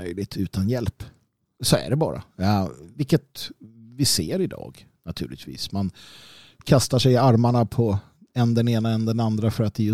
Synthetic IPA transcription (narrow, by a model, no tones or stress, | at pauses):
œjlɪt̪ʰʉ̟ːt̪ʰanjɛlp | sɔæ̰ɖɛbɑ̰ːɾa̰vɪlkːət̪vɪseːɾɪd̪ɑ̰ːɡnat̪ʰʉ̟ːlɪ̰t̪vḭːsman | kʰast̪aʂɛjaɾmaɳapʰɔ | ɛnd̪ɛneːnaɛnd̪ɛnand̪ɾafœɾat̪ːɛjɵ